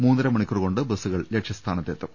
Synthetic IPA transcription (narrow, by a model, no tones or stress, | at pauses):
muːnd̪ɐɾɐmɐɳikʲːuruko̞ɳɖɨbɐsuɣɐɭlekʂɐst̪ʰaːnɐt̪ːet̪ːɐ